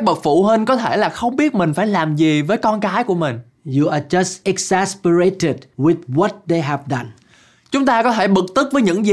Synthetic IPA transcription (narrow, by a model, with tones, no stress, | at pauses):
k̚ɓə˨˩k̚fṵ˧˩ɦi˧nkɔ˨˦t̪ʰe˧˩laː˨˩xə˧wŋ͡mɓi˦˥ət̚mï˨˩ŋ̟faː˧˩jlaː˨˩mzi˨˩vəː˨˦jkɔ˧nkaː˨˦jku˧˩əmï˨˩ŋ̟ | ju˨˩aː˨˩t͡ɕə˨stʔɛ˨k̚sa˧spə˧ɹe˧tɪ˨˩d̚wi˨˩θwɔ˨˩t̚ɗe˧jɦɛ˨vɗa˨˩n | t͡ɕʊ˨˦ŋ͡mt̪aː˧kɔ˨˦t̪ʰe˧˩ɓɨ˨˩k̚t̪ɨ˦˥k̚vəː˨˦ɲɨ̰˧˥ŋzi˨